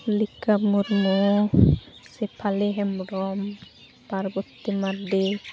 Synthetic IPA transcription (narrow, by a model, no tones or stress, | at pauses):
likamuɾmɔ | sepʰaleɦɛmɖɔm | paɾbɔt̪ːimaɾde